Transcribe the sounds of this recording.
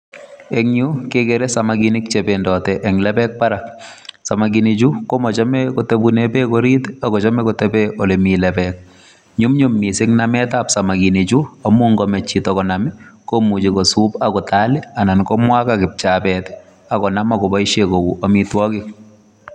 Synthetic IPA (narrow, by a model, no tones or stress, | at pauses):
eŋɲukekeɾɛsamaɡinik̚t͡ʃependɔtɛʔːŋlɛpɛk̚paɾak̚samaɡinit͡ʃukomɔt͡ʃɔmɛkɔtebunepɛkoɾitakɔt͡ʃɔmɛkɔtɛpɛʔɔlemilɛpɛk̚ | ɲumɲumːisɪŋnamɛtapsamakinit͡ʃuamuŋɡɔmɛt͡ʃːitɔkɔnamikomut͡ʃikɔsupakɔtalɪanankɔmwakakɪp̚t͡ʃabɛt | akɔnamakɔbɔjʃekouʔamitwɔkɪk̚